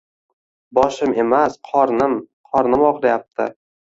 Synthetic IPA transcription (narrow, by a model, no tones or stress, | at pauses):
bɒʃɪme̞masqʰɒɾnɪm | qʰɒɾnɪmɒqlˠajap̚t̪ʰɪ